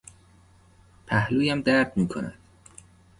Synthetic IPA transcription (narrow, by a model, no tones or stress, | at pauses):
pʰæhluːjæmd̪æɾd̪miːkʰonæ̰d̪̥